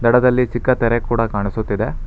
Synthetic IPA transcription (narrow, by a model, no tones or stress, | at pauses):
d̪ɐɽɐd̪ɐlːit͡ʃikːɐt̪ɛɾekuːɽɐkaːɳisut̪ːid̪e